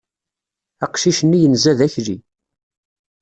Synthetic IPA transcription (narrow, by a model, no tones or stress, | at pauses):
ɑqʃiʃənːijənzæðæçɾi